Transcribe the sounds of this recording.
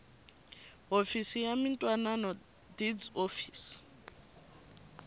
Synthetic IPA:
ofisijamintʼwananɔ | did͡zofiːs

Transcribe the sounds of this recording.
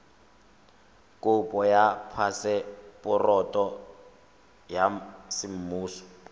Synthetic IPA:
kʼʊpʼɔjapʰasɛpʊrɔtʼɔ | jasɪm̩muːsɔ̥

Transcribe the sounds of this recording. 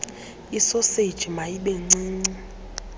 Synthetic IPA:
isɔsed̥ʒ̥ʱimajiɓeŋ͡ǀiːŋ͡ǀi

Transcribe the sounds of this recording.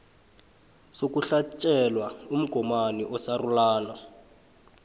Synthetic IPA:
sokuɬat͡ʃʼɛlwaum̩ɡ̥ʱɔmaniʔɔsarulaːna

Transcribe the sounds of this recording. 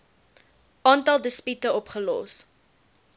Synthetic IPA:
ʔɑːntɐlˠdəspytəɔpχəlɔ̰s

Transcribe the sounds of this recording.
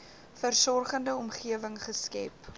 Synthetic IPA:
fərsɔrχəndəɔmχiəvəŋχəskɛ̰p

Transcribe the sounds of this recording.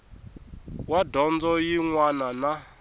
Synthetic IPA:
wadɔnd͡zɔjiŋwanana

